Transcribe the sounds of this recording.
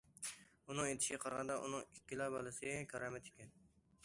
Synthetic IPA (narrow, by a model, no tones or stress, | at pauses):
unɨŋet̪ʰɪ̥ʃʲiqʰɑɾʁɑnd̪ɑʔṵnɨŋikʲːilˠɑbɑlˠɨsɪɡʲɛkʲʰɑɾɑmɛt̪ʰe̥kʲɛn